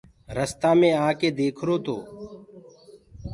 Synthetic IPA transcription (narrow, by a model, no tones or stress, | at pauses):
ɾəst̪ãːmẽːaːkeːd̪eːkʰɾoːt̪o̰ː